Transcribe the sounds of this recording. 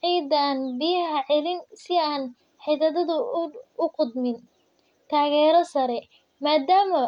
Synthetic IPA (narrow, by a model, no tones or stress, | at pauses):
ʕiːd̪aːnbɪjɐɦɐʕɛlɪnsɪaːn | ħɪðɐðɐðʊʊqʊd̪mɪn | t̪ʰaːɣɛːɾɔsɐɾɛ | maːd̪aːmɐ